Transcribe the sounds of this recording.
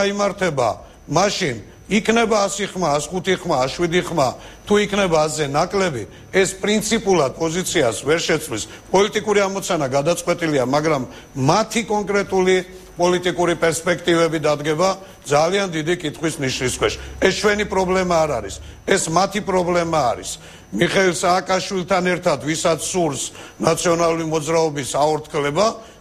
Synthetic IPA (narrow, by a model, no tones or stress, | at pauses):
aimaɾt̪ʰɛba̰ | maʃin | ikʰnɛbaːsiχmaːsχut̪ʰiχmaːʃwid̪iχma | t̪ʰuikʰnɛbaːzɛnakʼlɛbi | ɛspʼɾint̪sʰipʼulˠad̪̚pʼɔzit̪sʰiasvɛɾʃɛt̪sʰlis | pʼɔlit̪ʼikʼuɾiamɔt̪sʰanaɡad̪at̪sʼqʼwɛt̪ʼiliamaɡɾamː | at̪ʰikʼɔŋkʼɾɛt̪ʼuli | pʼɔlit̪ʼikʼuɾipʼɛɾspʼɛkʰt̪ʼivɛbid̪ad̪ɡɛba | d̪zaliand̪id̪ikʼit̪ʰχwisniʃniskʰwɛʃɛst͡ʃʰwɛnipʼɾɔblɛmaːɾaɾis | ɛsmat̪ʰipʼɾɔblɛmaːɾḭs | miχɛilsaːkʼaʃwilˠt̪ʰanɛɾt̪ʰad̪visat̪sʰsuɾsnat̪sʰiɔnalˠuɾimɔd̪zɾaɔbisaɔɾt̪ʰkʰlɛba